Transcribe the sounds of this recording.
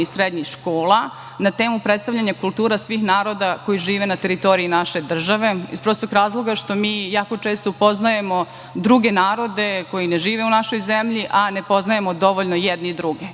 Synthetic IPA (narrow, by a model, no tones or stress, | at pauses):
isɾed̪ɲixʃkoːlˠa | nat̪e̞ːmupɾet̪st̪aʋʎʲaɲakulˠt̪uːɾasʋiːxnaːɾo̞d̪ako̞jiʒiːʋe̞nat̪e̞ɾit̪o̞ɾiinaʃe̞d̪r̩ʒaʋe̞ḭspɾo̞ːst̪oɡɾaːzlˠo̞ɡaʃt̪o̞miːjaːko̞t͡ʃe̞ːst̪oupo̞znajemo̞ | d̪ɾuɡe̞naːɾo̞d̪e̞ko̞jineʒiːʋeunaʃo̞jzemʎiʔane̞po̞znajemo̞d̪o̞ʋoʎnojed̪niid̪ɾuɡe